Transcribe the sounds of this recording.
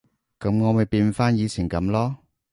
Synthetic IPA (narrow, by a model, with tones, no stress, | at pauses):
kɐ˨˥mŋɔː˨˧mɐ˨˩jpiː˧nfaː˥njiː˨˧t͡sʰiː˨˩nkɐ˨˧˥mlɔː˥